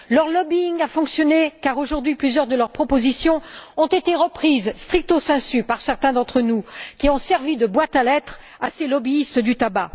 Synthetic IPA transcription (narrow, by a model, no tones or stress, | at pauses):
lœʁlɔbiiŋafɔ̃ksjɔnekaʁoʒuʁd̪ɥiplyzjœʁd̪əlœʁpχɔpozisjɔ̃ɔ̃t̪et̪eʁəpχizst̪χik̚t̪osɛ̃sypaʁsɛʁt̪ɛ̃d̪ɑ̃t̪χənukʲiɔ̃sɛʁvid̪əbwat̪alɛt̪χ | aselɔbiːst̪d̪yt̪aba